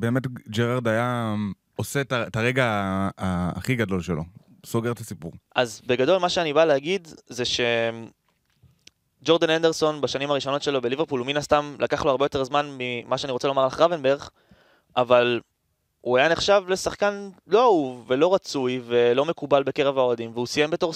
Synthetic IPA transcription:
be̞ːmetd͡ʒeʁaʁd̪aja | osetaetaʁeɡaaa̰ːχiɡado̞lʃelo̞̰ | soɡe̞ʁt̪asipuʁʔazbe̞ɡado̞lmaʃeanibaleaɡidzeʃe̞ | d͡ʒo̞ʁd̪anend̪e̞ʁso̞nbaʃanimaʁiʃo̞no̞tʃe̞lo̞belive̞ʁpuluminast̪amlʔakaχlo̞aʁbe̞jo̞t̪e̞ʁzmanmimaʃeaniʁot͡selo̞maʁlaχʁavenbeʁχ | ʔaval | uajane̞χʃavle̞saχkanlo̞auvːe̞lo̞ʁat͡sujve̞lo̞me̞kubalbe̞keʁevaoad̪imveusije̞mbe̞to̞ʁ

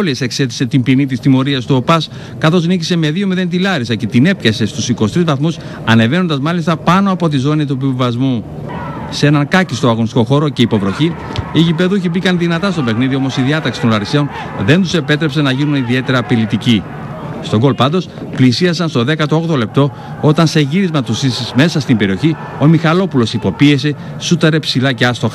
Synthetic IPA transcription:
liese̞kse̞t̪i̥se̞t̪imbinit̪ist̪imo̞ɾiɐst̪uo̞pɐs | kɐθo̞znicise̞meðio̞miðe̞nt̪ilɐɾisɐce̞t̪ine̞pçɐse̞st̪usikosit̪ɾizvɐθmus | ɐne̞ve̞nond̪ɐzmɐlist̪ɐpɐno̞ɐpo̞t̪̬izo̞nit̪̬upivɐzmu | seenɐŋkɐcist̪oɐɣo̞nist̪iko̞xo̞ɾo̞ce̞ipo̞vɾo̞çi | iʝipe̞ðuçibikɐnðinɐt̪ɐst̪o̞pe̞xniðio̞mo̞siðiɐt̪ɐksi̥t̪onlɐɾise̞o̞n | ðe̞nt̪use̞pe̞t̪ɾepse̞nɐʝinuniðie̞t̪e̞ɾɐpilit̪ici | st̪o̞ɡo̞lpɐnd̪o̞s | plisiɐs̬ɐnst̪o̞ðe̞kɐt̪oo̞ɣðo̞le̞p̚t̪o̞ | o̞t̪ɐnse̞ʝiɾizmɐt̪usime̞sɐst̪imbe̞ɾio̞çi | o̞mixɐlo̞pulo̞sipo̞pie̞se̞ | sut̪ɐɾe̞psilɐceɐst̪oxɐ

